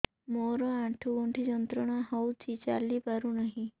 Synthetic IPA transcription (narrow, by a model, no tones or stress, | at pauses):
moɾɔãʈʰuɡɔɳʈʰid͡ʒɔnt̪ɾɔɽ̃aɦɔwt͡ʃʰit͡ʃa̰lipaɾunaɦĩ